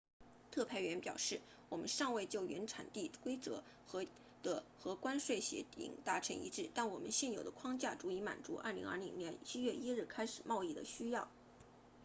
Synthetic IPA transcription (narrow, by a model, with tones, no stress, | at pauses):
t̪ʰɤ˥˧pʰa˥˩ɪɥɛ˧˥npjɑ˨˩ʊʂɻ̩˥˩ | wɔ˨˩mə̰˦nʂɑ˥˧ŋwe˥˧ɪt͡ɕjo˥˩ʊɥɛ̰˧˥nʈ͡ʂʰa̰˨˩nt̪i˥˩kwe˥ɪt͡sɤ˧˥ | xɤ˧˥ | d̪̥ə˧xɤ˧˥kwa˥nʂwe˥˩ɪɕjɛ̰˧˥t̪ʰḭ˧˩ŋt̪a˧˥ʈ͡ʂʰɤ̰˧˥ŋḭ˧˥ʈ͡ʂɻ̩˥˩t̪a˥˩nwɔ˨˩mə̰˦nɕɛ˥˩njo˨˩ʊd̪ə˦kʰwɑ˥ŋt͡ɕja˥˩ʈ͡ʂu˧˥i˧˥ma̰˨˩nt͡su˧˥ʔɐ̰˥˩li˧˥ŋɐ̰˥˩li˧˥ŋnjɛ˧˥nt͡ɕʰi˥ɥɛ˥˩˧ʔi˥ɻ̩˥˩kʰa˥ɪʂɻ̩˨˩mʔɑ˥˧ʊi˥˩d̪ə̰˩ɕy˥jɑ˥˩ʊ